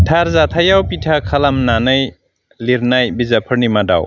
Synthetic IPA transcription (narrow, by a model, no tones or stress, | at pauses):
tʰaɾzatʰajawpitʰakʰalamnanɯj | liɾnajbizapʰɯɾnimada̰w